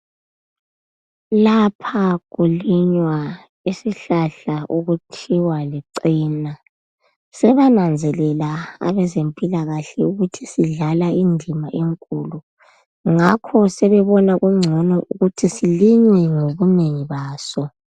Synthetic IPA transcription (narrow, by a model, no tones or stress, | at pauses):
lapʰaɣuliɲwa | isiɬaɬaʔuɣutʰiwaliǀiːna | sɛβanand͡zʱɛlɛlaa̰βɛzempʼilaɣaɬɛuɣutʰisiɮalaindʱimaʔeŋkʼulu | ŋakʰɔsɛβɛβɔnaɣuŋ͡ǀʱɔnɔʔuɣutʰisiliɲwɛŋoβuneŋiβaːsɔ